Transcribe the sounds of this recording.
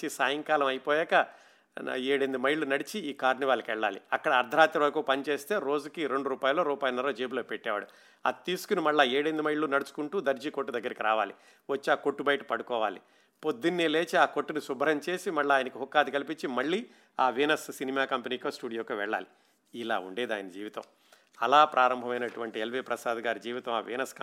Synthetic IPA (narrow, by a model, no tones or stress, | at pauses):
isaːjɐŋkaːlɐmɐjpɔːjɛːkɐ | eːɽend̪imɐjɭːunɐɽit͡ʃiiːkaːɾniʋaːɭːɐkiʋɛɭːa̰ːlḭɐkːɐɽɐːɾd̪ʱɐɾaːt̪ːɐʋɐɾkuːpɐnit͡ʃe̞ːst̪e̞ːɾo̞ːd͡ʒukiɾe̞ɳɖuɾuːpaːjɐlːoːɾuːpaːjɐlnːɐɾoːd͡ʒeːbuloːpɛʈːɛːʋa̰ːɽu | ɐ̰t̪ːiːsu̥kunimɐɭːaːeːɽend̪imɐjɭːunɐɽut͡ʃu̥kuɳʈuːd̪ɐɾd͡ʒiːkoʈːud̪ɐɡːɐɾikiɾa̰ːʋa̰ːlḭ | ʋɐt͡ʃːiaːko̞ʈːubɐjʈɐ̥pɐɽukɔːʋaːli | po̞d̪ːinːiːleːt͡ʃiaːkoʈːunisubɐɾɐɲt͡ʃe̞ːsimɐɭːaːjɐnɐkiɦukːaːd̪ikɐlipiɲt͡ʃːimɐɭːiː | aːʋeːnɐssinimaːkɐmpeniːkoːsʈuːɽijoːkɐʋɛ̰ɭːa̰ːli | ila̰ːṵɳɖeːd̪aːjɐnɐd͡ʒiːʋit̪ɐ̰m | ɐ̰laːpɾʔaːɾɐmbʱɐmɐjnɐʈuʋɐɳʈielʋeːpɾɐsaːd̪ɡaːɾid͡ʒiːʋit̪ɐ̃ma̰ːʋḭːnɐsk